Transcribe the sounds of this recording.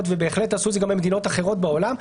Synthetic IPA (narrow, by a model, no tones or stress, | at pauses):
tvebe̞ːχlethasuzeɡambemed̪ino̞taχe̞ʁo̞t̚beolam